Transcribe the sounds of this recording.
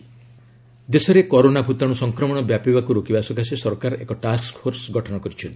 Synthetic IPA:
d̪esɔɾekɔɾonabʱut̪aɽ̃usɔŋkɾɔmɔɽ̃ɔbjapibakuɾokibasɔkasisɔɾkaɾɔḛkɔʈaskpʰfʰoɾsɡʱɔʈʰɔɽ̃ɔkɔɾit͡ʃʰɔnt̪i̥

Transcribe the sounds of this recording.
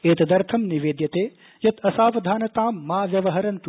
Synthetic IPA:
eːt̪ɐd̪ɐɾt̪ʰɐmniʋeːd̪jɐt̪eː | jɐt̪ʰɐsaːʋɐd̪ʱaːnɐt̪aːmːaːʋjɐʋɐɦɐɾɐnt̪u

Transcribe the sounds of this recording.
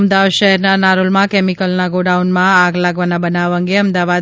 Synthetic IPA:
md̪aʋad̪ʃɛɦɛɾnanaɾolmãkɛmikəlnaɡoɖaunmãaɡlaɡʋanabənaʋəŋɡeəmd̪aʋad̪

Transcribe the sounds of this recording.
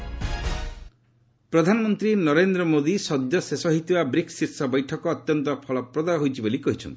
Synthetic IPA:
pɾɔd̪ʱanɔmɔnt̪ɾinɔɾend̪ɾɔmod̪isɔd̪jɔsesɔɦit̪iwabɾiksiɾsɔbɔjʈʰɔkɔːt̪jɔnt̪ɔpʰɔlɔpɾɔd̪aɔɦojt͡ʃʰibolikɔɦit͡ʃʰɔ̰nt̪i̥

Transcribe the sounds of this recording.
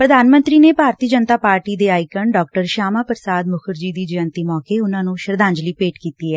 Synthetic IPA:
pɾəd̪aːnmə̃nt̪ɾiːneːpaːɾt̪iːd͡ʒənt̪aːpaːɾʈiːd̪eːaːɪkəɳɖɔːk̚ʈəɾʃaːmaːpəɾəsaːd̪mʊkʰəɾd͡ʒiːd̪iːd͡ʒəjə̃nt̪iːmɔːkeːʊnãːnũːʃəɾd̪ãːɲd͡ʒliːpeːʈkiːt̪iːɦɛː

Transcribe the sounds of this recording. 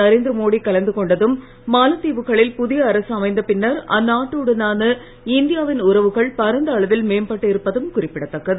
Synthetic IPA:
ɐɾeːnd̪ɾɐmoːɽikɐlɐnd̪ɯkɔɳɖɐðɯmː | aːlɐt̪ːiːʋɯɣɐɭɪlpʊðɪjɐːɾɐsɐmɐɪnd̪ɐpɪnːɐɾɐ̰nːaːʈːoːɽɯnaːnɯ | ɪnd̪ɪjaːʋɪnʊɾɐʋɯɣɐɭpɐɾɐnd̪ɐːɭɐʋɪlmeːmpɐʈːɯɪɾɯpːɐðɯmkʊrɪpːɪɽɐt̪ːɐkːɐðɯ

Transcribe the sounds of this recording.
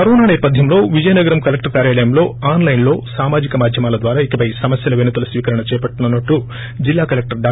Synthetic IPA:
pɐɾoːnaːnɐjpːɐd̪ʱjɐmlo̞ːʋid͡ʒɐjnɐɡɐɾɐmkɐlek̚ʈɐɾkaːɾjaːɭɐjɐmlo̞ːaːnlɐjnlo̞ːsaːmaːd͡ʒikɐmaːd̪ʱjɐmaːlɐd̪ʋaːɾaːikɐpɐjsɐmɐsjɐlɐʋenut̪ɐlɐsʋiːkɐɾɐɳɐt͡ʃɛːjɐpɐʈːunɐnːɐʈːu | d͡ʒilːaːkɐlek̚ʈɐɾɖaː

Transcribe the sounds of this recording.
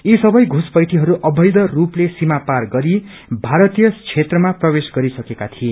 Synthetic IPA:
isʌbʌjɡʱuspʌjʈʰiɦʌɾuʔʌbʱʌjd̪ʌruplesimaparɡʌɾi | bʱaɾʌt̪ijʌt͡sʰet̪rʌmaprʌbesɡʌɾisʌkekat̪ʰie

